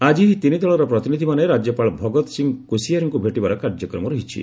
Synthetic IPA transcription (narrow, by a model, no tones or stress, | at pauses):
ad͡ʒiɦit̪inid̪ʱɔɭɔɾɔpɾɔt̪inid̪ʱimaneɾad͡ʒjɔpaɭɔbʱɔɡɔt̪ɔsiŋkusijaɾiŋkubʱeʈibaɾɔkaɾd͡ʒɔkɾɔmɔɾɔɦit͡ʃʰḭ